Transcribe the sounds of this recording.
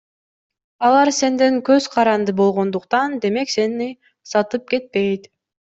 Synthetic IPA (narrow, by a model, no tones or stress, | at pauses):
ɑlˠɑɾse̞nd̪eŋkøzqʰɑɾɑnd̪ɯbo̞lˠʁo̞nd̪uqt̪ɑnd̪e̞me̞kse̞ni | sɑt̪ɯp̚ke̞t̪̚pe̞jt̪